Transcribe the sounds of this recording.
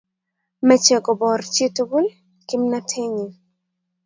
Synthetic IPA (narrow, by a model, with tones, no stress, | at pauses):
mɛ˨t͡ʃɛ˨ɡɔ˨bɔ˨rt͡ʃe˦to˦bu˦l | kɪ˦mna˦tʰe˦ɲi˨